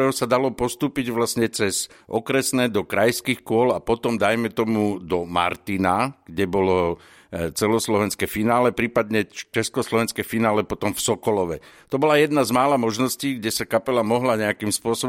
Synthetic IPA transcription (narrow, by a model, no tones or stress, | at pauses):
ɔʊsad̪alɔpɔst̪uːpiɟʋlasɲɛt͡sɛz | ʔɔkɾɛsnɛːd̪ɔkɾajskiːxkʊɔlapɔt̪ɔmd̪ajmɛt̪ɔmud̪ɔma̰ɾt̪inaɡ̥ɟɛbɔlɔ | t͡sɛlɔslɔʋɛnskɛfinaːlɛpɾiːpad̪ɲɛt͡ʃɛskɔslɔʋɛnskɛfinaːlɛpɔt̪ɔmfsɔkɔlɔʋɛ̰t̪ɔbɔlajɛd̪nazmaːlamɔʒnɔsciːɡɟɛsakapɛlamɔɦlaɲɛakimspʊɔsɔb